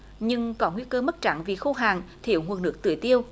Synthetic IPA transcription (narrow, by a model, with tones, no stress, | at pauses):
ɲɨ˧ŋkɔ˨˦ŋwi˧kəː˧mə˦˥t̚t͡ɕa̰˧˩nvi˨˩xu˧ɦaː˨˩ŋt̪ʰḭ˧˩əwŋu˨˩ŋ̚nɨ˦˥ək̚t̪ɨ̰˧˨jt̪i˧əw